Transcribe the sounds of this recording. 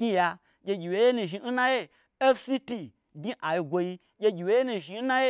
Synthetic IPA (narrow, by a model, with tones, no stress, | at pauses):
kɲi˦ja˧ | ɡʲe˧ɡʲi˨we˨˦je˦nũ˨ʒi˧n̩˦na˦je˦ | e˦fsi˦ti˧ | ɡi˦ʔa˨ji˧ɡʷo˧ji˧ | ɡʲe˧ɡʲi˨we˨˦je˦nũ˨ʒi˧n̩˦nã˦je˦